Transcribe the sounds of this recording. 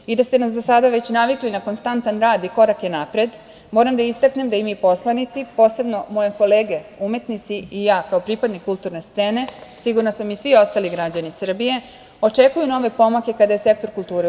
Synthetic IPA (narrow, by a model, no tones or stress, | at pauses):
id̪ast̪enasd̪osad̪aʋe̞t͡ɕnaʋiklinako̞nst̪ant̪anɾaːd̪iko̞ɾakjenapɾed̪ | mo̞ːɾamd̪aist̪akne̞md̪aimipo̞slˠanit̪sipo̞ːse̞bno̞mo̞jeko̞leːɡe̞ume̞t̪nit̪siijaːkaopɾipad̪nikːult̪uɾne̞st̪se̞ːne̞siɡuɾnasamisʋio̞st̪aliɡɾad͡ʑanisr̩bije̞ | o̞t͡ʂe̞kujuno̞ʋe̞po̞make̞kad̪aje̞se̞k̚t̪o̞ɾkulˠt̪uːɾe